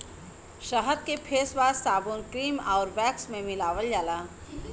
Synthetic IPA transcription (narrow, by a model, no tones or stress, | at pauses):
ʃəɦəd̪̚kepʰeːsbaːzaːboːnkɾiːmaːɾbɛːksmẽmɪlaːʋəljaːlaː